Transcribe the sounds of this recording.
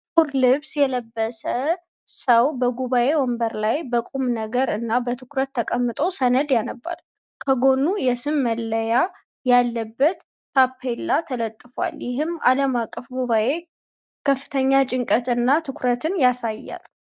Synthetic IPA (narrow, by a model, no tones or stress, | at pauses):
uɾlɨβsjɛləbːəsə | səwbəɡuβaʔe̞wombəɾlajbəkʼumnəɡəɾɨnːabət̪ʰɨkʰɾət̪ʰːəkʼəmːɨt̪ʼo̞sənəd̪janəbːa̰l | kʰəɡo̞nːujɛsɨmːəlːəja | jalːəbːət̪ːʰ | apʰːelːat̪ʰələt̪ʼːɨfa̰ljɪɦɨmːa̰ləmakʼːəfɡuβaʔe̞ | kʰəfːɨt̪ʰəɲːat͡ʃʼɪŋkʼət̪ɨnːat̪ʰɨkʰʷʊɾət̪ɨnjasajːa̰l